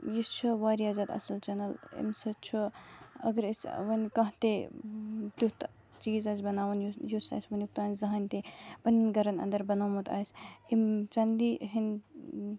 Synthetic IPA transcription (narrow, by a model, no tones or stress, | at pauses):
jist͡ʃʰuʋaːɾijaːzʲaːd̪ɐ̰sɐlt͡ʃɐnɐlḭmsɐt͡ʃʰuɐ̰ɡəɾisʋɐnʲkɐ̃ɦt̪e | t̪ut̪ | t͡ʃiːzaːsʲbɐnaːʋɐnjujusa̰ːjsʲʋɐnʲjuk̚t̪uaːnzɐɦanʲt̪epɐnʲinɡɐɾɐnɐ̰nd̪ɐɾbɐnamut̪a̰ːjsʲimt͡ʃɐnliɦin